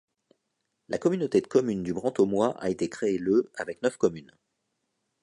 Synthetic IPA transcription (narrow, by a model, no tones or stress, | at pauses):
lakɔmynot̪ed̪əkɔmynd̪ybʁɑ̃t̪omwaʔa̰et̪ekχeːløavɛknœfkɔmyn